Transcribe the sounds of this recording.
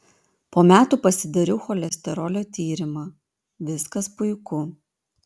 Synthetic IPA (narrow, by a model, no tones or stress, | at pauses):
poːmʲæːt̪uːpɐsʲɪd̪ɐɾʲɛʊxɔlʲɛsʲt̪ʲɛɾɔːlʲoːt̪ʲiːɾʲɪmɑ | ʋʲɪskɐspʊɪkʊ